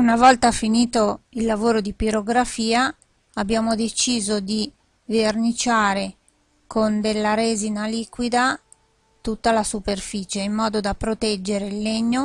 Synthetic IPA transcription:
unavɔlt̪afiniːt̪oilːavoːɾod̪ipiɾoɡɾafiːa | abːjaːmod̪et͡ʃiːzod̪i | vernit͡ʃaːɾe | kond̪elːaɾeːzinaliːkwid̪a | t̪ut̪ːalasuperfiːt͡ʃeimːɔːd̪od̪apɾot̪ɛd͡ʒːeɾeilːeɲːo

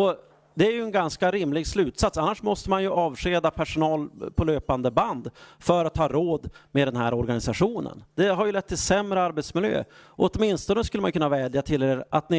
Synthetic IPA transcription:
ɔ | d̪ɛæɾjɵɛnɡanskaɾɪmlɪɡslʉ̟ːt̪sat̪sanːaʂmɔst̪əmanjɵʔɑːvʂeːd̪apʰæʂʊnɑːlpʰɔløːpand̪əband̪fœɾat̪ʰːɑːɾoːd̪mɛd̪ɛnɦæɾɔɾɡanɪsaɧuːnə̰nd̪̥ɛɦaɾjɵlɛt̪ːɪlsɛmɾəaɾbɛt̪smɪljø̰ːɔɔt̪mɪnst̪ɔnəskɵlːəmanjʏkʰɵnːavɛːd̪jat̪ʰɪlːeːɾʔat̪nɪ

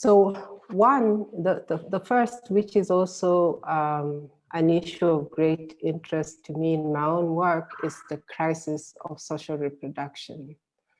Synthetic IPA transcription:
soʊwʌ̃nðəðəðəfɜ˞st̚wɪt͡ʃɨzɔlˠsoʊ | ʔɨ̃nɪʃuʌvɡɹeɪtɪ̃ntʰɹ̥ɛstʰɨmĩnmaɪõʊ̃nwɜ˞kɪzðɨkʰɹ̥aɪsɪsʌ̰v̥soʊʃəl̩ˠɹipʰɹɔdʌkʃɨ̰̃n

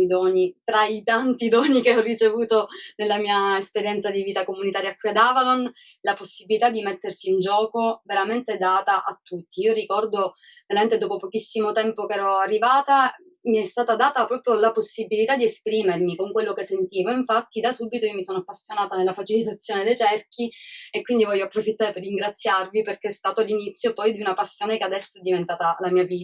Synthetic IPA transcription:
d̪ɔːnit̪ɾait̪ant̪id̪ɔːnikeɔrːit͡ʃevuːt̪onelːamiːaespeɾjɛnt̪sad̪iviːt̪akomunit̪aːɾjakːwiad̪aːvalon | laposːibilit̪ad̪ːimet̪ːersiːnd͡ʒɔːkoveɾament̪ed̪aːt̪aʔat̪ːut̪ːiiːorikɔrd̪oveɾament̪ed̪oːpopokisːimot̪ɛmpokɛːɾɔarːivaːt̪a | miɛst̪aːt̪ad̪aːt̪apɾɔːpɾjolaposːibilit̪ad̪ːiespɾiːmermikoŋkwelːokesːent̪iːvoiɱfat̪ːid̪asubit̪oijomisoːnoapːasːjonaːt̪anelːafat͡ʃilit̪at̪sːjoːned̪ejt͡ʃɛrkʰiekːwind̪ivɔjːoapːɾofit̪ːaːɾeperːiŋɡɾat̪sːjarviperkeɛst̪aːt̪olinit̪sːjopɔjd̪iunapasːjoːnekead̪ɛsːoɛd̪ːivent̪aːt̪alamiːaviːt̪a

